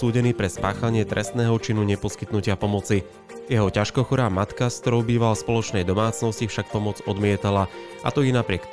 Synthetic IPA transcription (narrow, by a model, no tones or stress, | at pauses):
uːɟɛniːpɾɛspaːxaɲɪɛt̪ɾʔɛst̪nɛːɦɔt͡ʃinuɲɛpɔskit̪nucɪapɔmɔt͡si | jɛɦɔcaʃkɔxɔɾaːmat̪kaskt̪ɔɾɔʊbiːʋalaspɔlɔt͡ʃnɛjd̪ɔmaːt͡snɔscifʃak̚pɔmɔd͡zɔd̪mɪɛt̪ala | a̰t̪ɔjɛnapɾɪɛk